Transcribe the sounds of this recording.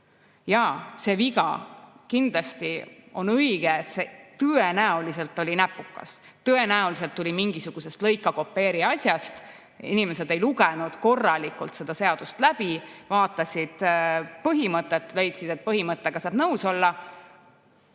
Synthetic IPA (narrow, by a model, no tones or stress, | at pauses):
jɑse̞viɡɑ̰kind̪̥lɑst̪io̞nɤjɡ̥eːt̪set̪ɤe̞næolise̞lt̪ːˑo̞lʲinæpːˑukːɑ̰s | t̪ɤe̞næolis̬e̞lt̪ːulʲimiŋɡ̥isuɡ̥use̞st̪lɤjkːˑɑko̞pːe̞ːɾiɑsʲjɑst̪ | ḭnime̞se̞d̪̥e̞jluɡenud̪̥ko̞rːɑlikˑult̪se̞d̪̥ɑse̞ɑd̪̥ust̪læb̥ivɑːt̪ːˑɑsʲid̪̥pɤɦimɤt̪ːˑet̪ːˑle̞jt̪sid̪e̞t̪̚pɤɦimɤt̪ːˑeɡ̥ɑsɑːb̥nɤwso̞lːɑ